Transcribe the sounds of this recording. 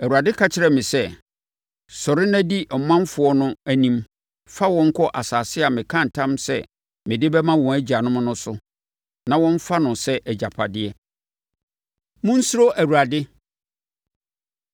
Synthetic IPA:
æ˨wu˨ɾa˨dɪ˦kʰa˦t͡ɕʰɪ˨ɾɛ˨mɪ̃˨sɛ˦ | sɔ˨ɾɪ˦næ̃˦di˦ʔɔ˨mːã˦m˦fʊ˨ɔ˦nʊ̃˦æ˦nĩ˦m | fa˦wɔ̃˦ŋ̩˦kʰɔ˦ʔa˨saː˨sɪ˦a˨mɪ̃˨kʰã˦˨n̩˨tʰã˦msɛ̰˦ | mɪ̃˨dɪ˦bɛ˦mã˦wɔ̃˨æ˦d͡ʑi˨a˨nʊ̃˦m̃˦nʊ̃˦sʊ˦ | nã˨wɔ̃˦ɱ˦fa˦nʊ̃˨sɛ˦ʔɛ˨d͡ʑa˨pʰa˨dɪ˦ɛ˦ | mʊ̃˦n̩˦sʊ˦ɾo˦ʔæ˨wu˨ɾa˨dɪ˦

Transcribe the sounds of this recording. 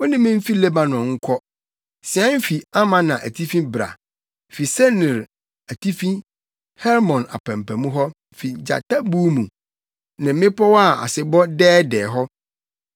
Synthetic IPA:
wɔ˦nɪ̃˦mɪ̃˦m̩˦fi˦lɛ˦ba˨nɔ̃˨ŋ̩˦kʰɔ˦ | sɪ˨ã˦m˦fi˨a˦mã˦nã˨ʔæ˨tʰi˦fĩ˦bɾa̰˨ | fi˨sɛ˦nɪ̃˨ɾ | æ˨tʰi˦fĩ˦ | hɛ˦ɾmɔ̃˨na̰˨pʰæ̃˨m˨pʰæ̃˨mũ˦ɦɔ˦˨fi˨d͡ʑa̰˨tʰa˦bu˦mũ˨ | nɪ̃˨m̩˦mɪ̃˦pʰɔ˦wɔ˦a˦˨a̰˨sɪ˨bɔ˦dɛː˦dɛː˨ɦɔ˦

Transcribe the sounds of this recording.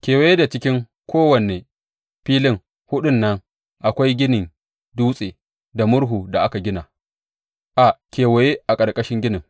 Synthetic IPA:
kʲeː˨wa˨jeː˦da˨t͡ʃɪ˦kʲɪ˦ŋ | kʷoː˦wɐ˨ne˨ | ɸiː˦lɪ˦ŋ | hʊ˦ɗʊ˦nːɐ˦ŋ | ʔa˨kʷa˦jɡʲɪ˦nɪ˨n | duː˦sʼeː˨ | da˨mʊ˦ɽɦuː˨da˨ʔa˦ka˨ɡʲɪ˦na˨ | ʔa˨kʲeː˨wɐ˨je˦ʔa˨kʼɐ˨rkʼɐ˦ʃɪ˦ŋɡʲɪ˦nɪ˨ŋ

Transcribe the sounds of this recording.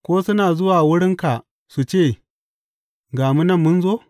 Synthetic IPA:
kʷoː˦sʊ˦naː˨zʊ˦waː˨wʊ˦ɽɪ˦ŋka˨ʔ | su˨t͡ʃeː˦˨ | ɡaː˨mu˦nɐ˦mːʊ˦nzoː˦

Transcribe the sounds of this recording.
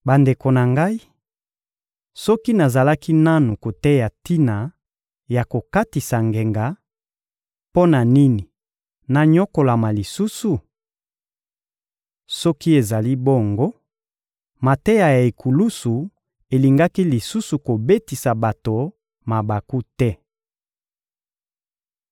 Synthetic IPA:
ba˨nde˨ko˨na˨ŋɡa˦i˦ | sɔ˦ki˦na˨za˨la˦ki˦na˦nu˨ko˨tɛ˦ja˨ti˦na˨ | ja˨ko˨ka˦ti˨sa˨ŋɡe˨ŋɡa˨ | po˦na˨ni˦ni˨ | na˨ɲɔ˦ko˨la˨ma˨li˨su˦su˨ | sɔ˦ki˦e˨za˨li˦bo˦˨ŋɡo˦ | ma˨tɛ˦ja˨ja˨e˨kʰu˨lu˦su˨ | e˨li˨ŋɡa˦ki˦li˨su˦su˨ko˨be˦ti˨sa˨ba˨to˨ | ma˨ba˨ku˦tɛ˦

